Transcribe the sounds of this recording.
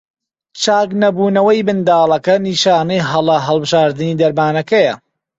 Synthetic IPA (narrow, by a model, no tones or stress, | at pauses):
t͡ʃaːknɐbuːnɐwɐjbɨnd̪aːlˠɐkɐniːʃaːnɐjɦɐlˠɐɦɐlˠbɨʒaːɾd̪ɨniːd̪ɐɾmaːnɐkɐjɐ